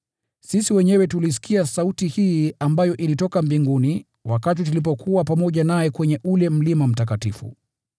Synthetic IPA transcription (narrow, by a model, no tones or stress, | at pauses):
sisiwɛɲɛwɛtulis̬i̥kiasautihiambajɔʔilitɔkambiŋɡuni | wakat̬itulipɔkʰuwapamɔʄanajɛkwɛɲɛʔulɛm̩limam̩tak̬atifṵ